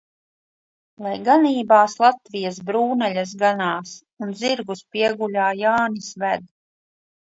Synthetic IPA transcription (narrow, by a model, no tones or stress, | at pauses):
lˠajɡaniːbaːslˠat̪vijasbɾuːnɛʎʲas̬ɡanaːs | unziɾɡuspiɛɡulʲaːjaːnisvæd̪